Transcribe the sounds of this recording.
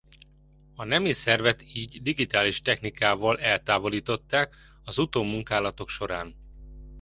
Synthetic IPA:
ɒnɛmisɛrvɛt̪iːɟd̪iɡit̪aːliʃt̪ɛxnikaːvɒːlɛlt̪aːvo̞liːt̪o̞t̪ːaːk | ɒzut̪oːmːuŋkaːlɒt̪o̞kʃo̞ɾaːn

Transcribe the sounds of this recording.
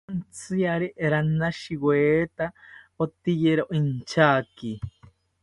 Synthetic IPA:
ant͡sɨaɾeʔɾanaʃiwweːt̪a | ot̪ijeɾoʔint͡ʃaki

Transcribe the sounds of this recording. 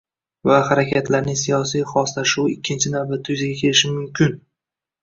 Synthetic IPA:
vahaɾakʲʰat̪ʰlaɾnɪŋs̬ijɒs̬ijχɒst̪aʃuwɪkʲʰːɪnt͡ʃʰɪnaɾbat̪ʰːʊjzaɡʲakʲʰe̞lɪʃɪmʊmkʲʰɪn

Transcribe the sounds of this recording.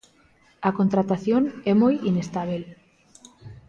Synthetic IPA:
akont̪ɾat̪aθjonɛmojinest̪aβ̞el

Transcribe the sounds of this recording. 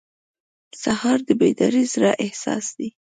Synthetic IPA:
sahɑɾd̪əbed̪a̰ɾizɾaʔɪhsɑ̰sd̪i

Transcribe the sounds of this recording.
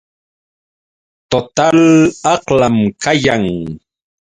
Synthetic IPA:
t̪ot̪alɑqlamkʰajaŋ

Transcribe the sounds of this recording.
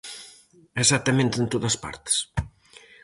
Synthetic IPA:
esat̪ɐmẽnt̪nt̪oðɐspa̰ɾt̪s

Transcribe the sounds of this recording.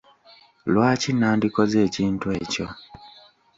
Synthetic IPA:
lwaːcinaːndiko̞ze̞ːciːntuwe̞ːco̰

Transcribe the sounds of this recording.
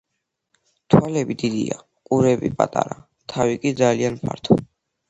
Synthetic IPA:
t̪ʰwalɛbid̪id̪ia̰ | kʼuɾɛbḭpʼat̪ʼa̰ɾa | t̪ʰavikʼid̪zalianpʰaɾt̪ʰɔ

